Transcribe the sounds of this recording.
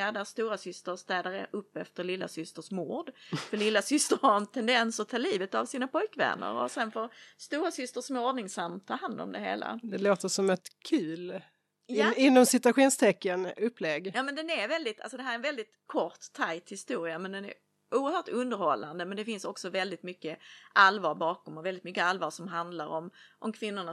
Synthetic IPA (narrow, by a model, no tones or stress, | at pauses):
ad̪æst̪uːɾasʏst̪əɾst̪ɛːd̪aɾə̰ʔɵpːɛft̪əɾɭɪlːa̰sʏst̪əʂmuːɖfœɭɪlːasʏst̪əɾhaɾɛnt̪ʰɛnd̪ɛnsɔt̪ʰɑːliːvət̪avsiːnapʰɔjkvɛ̰nːə̰ɾɔ̰sɛnfoːɾst̪uːɾasʏst̪əʂmɔɖnɪŋsamːt̪ʰɑːɦand̪ɔ̰md̪ɛhḛːla̰d̪ɛloːt̪əʂɔmɛt̪kʰʉ̟ːl | jɪnːɔmsɪt̪ʉaɧuːnst̪ʰɛkːənɵpːlɛɡjɑːmɛnd̪ɛnæɾvɛld̪ɪt̪a̰lsɔd̪ɛɦæɾɛnvɛld̪ɪt̪kʰɔt̪ʰːajt̪hɪst̪uːɾɪamɛnd̪ɛnæ̰ɾ | uːəɾhœːʈɵnd̪əɾhɔlːand̪əmɛnd̪ɛfɪnsɔksɔvɛld̪ɪt̪mʏkːəʔalvɑːɾbɑːkɔmɔvɛld̪ɪt̪mʏkːəalvɑːʂɔmɦand̪laɾɔmʔɔmkʰvɪnːʊɳa